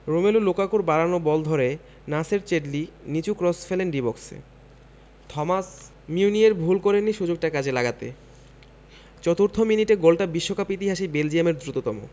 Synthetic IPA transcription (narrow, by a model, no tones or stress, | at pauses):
ɾomelulokakoɾbaɾanobɔld̪ʱɔɾe | naseɾt͡ɕeɖlinit͡ɕukɾɔsfelenɖibɔksḛ | t̪ʰɔmas | miunieɾbʱulkɔɾenːiʃud͡ʑok̚ʈakad͡ʑʰelaɡat̪ḛ | t͡ɕɔt̪uɾt̪ʰominiʈeɡolʈabiʃːokʰapit̪iɦaʃibeld͡ʑiemeɾd̪ɾut̪ot̪ɔmo̰